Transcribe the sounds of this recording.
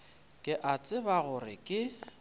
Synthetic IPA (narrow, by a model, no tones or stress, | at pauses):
kʼɪʔat͡sʼɪbaɣʊrɪ̰kʼɪ